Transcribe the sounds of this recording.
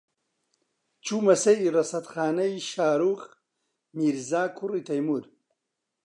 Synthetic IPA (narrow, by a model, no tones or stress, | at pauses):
t͡ɕʰumɐsɐiɾɐsɐt̪χaːnɐjiɕaːɾuːx | miɾzaːkʰuɾit̪ʰɐjmuɾ